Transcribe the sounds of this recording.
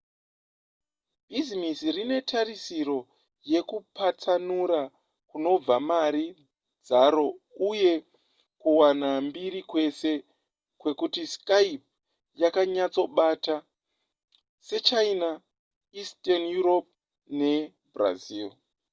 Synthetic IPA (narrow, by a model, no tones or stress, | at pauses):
bʱizimisirine̞tʰaɾisiɾo̞ | je̞kupat͡sanuɾa | kuno̞b͡vamaɾi | d͡zaɾo̞ | uje̞ | kuwanambiɾikwe̞se̞ | kwe̞kutiskaip̚ | jakaɲat͡so̞ɓata | se̞t͡ʃaina | istanjuɾo̞p̚ | ne̞ | bra̰ziːl